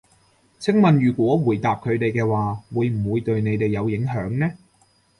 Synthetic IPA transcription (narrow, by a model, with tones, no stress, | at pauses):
t͡sʰɪ˥ŋmɐ˨nɥyː˨˩kʷɔː˨˥wuː˨˩jt̪aː˨p̚kʰɵ˨˧ɥt̪e˨jkɛː˧waː˨wuː˨˧jm̩˨˩wuː˨˧jt̪ɵ˧ɥne˨˧jt̪e˨˩jɐ˨˧wjɪ˨˥ŋɦœː˨˥ŋnɛː˥